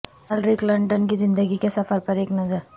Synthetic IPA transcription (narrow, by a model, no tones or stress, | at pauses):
ɐlɾiklɐɳɖənkizɪ̃nd̪əɡikesɐfəɾpɐɾeːknɐzəɾ